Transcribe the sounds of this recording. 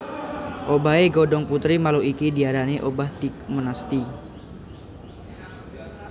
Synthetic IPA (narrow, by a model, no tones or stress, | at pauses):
ʔobaeɡɔdɔŋput̪ɾimaluikidiaɾaneʔobaht̪ik̚mənast̪i